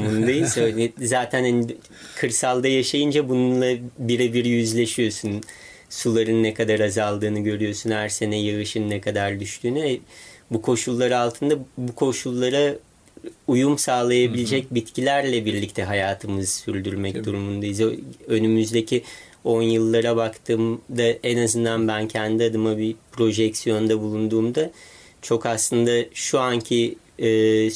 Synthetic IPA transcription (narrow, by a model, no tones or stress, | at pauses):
mund̪ajizølizaːt̪ʰænhani | kʰɯɾsalˠd̪ajaʃajɯnd͡ʒabununlˠabiɾɛbiɾijyzlʲe̞ʃijo̞sun | sulˠaɾɯnːɛkad̪aɾazalˠd̪ɯːnɯɟø̞ɾyjo̞sunhæɾse̞nɛjaɣɯʃɯnnɛkʰad̪aɾd̪yʃt̪ʰyːnyɛbukʰo̞ʃulˠːaɾɯalˠt̪ʰɯnd̪abukʰo̞ʃulˠːaɾa | ujumsaːlˠajabilʲed͡ʒɛc̚bit̪cʰilʲæɾlʲɛbiɾlʲic̚t̪ʰɛɦajaːt̪ʰɯmɯzsyɾʲd̪yɾmɛcd̪uɾumund̪ajizø̞nymyzd̪ecʰi | o̞njɯlˠːaɾabakt̪ʰɯːmd̪aenazɯnd̪anbæncʰænd̪iad̪ɯmabipʰɾo̞ʒɛksijo̞nd̪abulˠund̪uːmd̪a | t͡ʃʰo̞kaslˠɯnd̪aʃuancʰiː